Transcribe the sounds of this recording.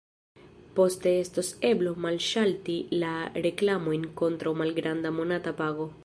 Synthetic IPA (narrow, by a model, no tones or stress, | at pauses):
post̪eest̪oseblomalʃalt̪ilareklamoeŋkont̪ɾaomalɡɾand̪amonat̪apaɣo